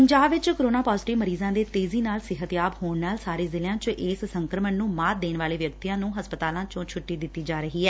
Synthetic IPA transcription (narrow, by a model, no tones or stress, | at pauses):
pəɲd͡ʒaːbʋɪt͡ʃkoɾoːnaːpaːzʈɪʋməɾiːzãːd̪eːt̪eːziːnaːlsɪɦət̪jaːbɦoːɳnaːlsaːɾeːzɪljãːt͡ʃʔɪːssəŋkɾəmənnũːmaːtd̪eːnʋaːleːʋjək̚t̪iãːnũːɦəspət̪aːlãːt͡ʃõːt͡ʃʰʊʈːiːd̪ɪt̪ːiːd͡ʒaːɾəɦiːɛː